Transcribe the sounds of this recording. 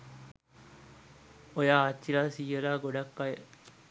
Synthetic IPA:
ojaːt͡ʃːilaːsiːelaːɡoɖakːaje

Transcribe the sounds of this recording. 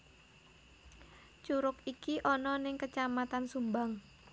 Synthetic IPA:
t͡ʃuɾʊkikiʔɔnɔnɪŋkət͡ʃamat̪ansumbaŋ

